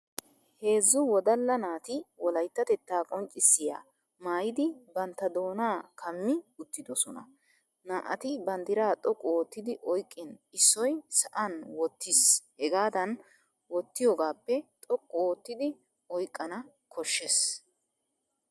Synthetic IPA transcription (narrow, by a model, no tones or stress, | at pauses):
he̞ːzːʊwɔd̪ɐlːɐnaːt̪ɪwɔlɐjt̪ːɐt̪ɛt̪ːaːkʼɔnt͡ʃʼːɪsːɪja̰ː | maːjɪd̪ɪbɐnt̪ːɐd̪o̞ːnaːkʰɐmːɪʊt̪ːɪd̪ɔsɔnɐ̰ | naːʔɐt̪ɪbɐnd̪ɪɾaːt̪ʼɔkʼːɔwɔt̪ːɪd̪ɪʔɔjkʼːɪnɪsːɔjsɐʔɐnwɔt̪ːɪshɛɡaːd̪ɐn | wɔt̪ːɪjoːɡaːpːɛt̪ʼɔkʼːɔwɔt̪ːɪd̪ɪ | ɔjkʼːɐnɐ | kʰɔʃːes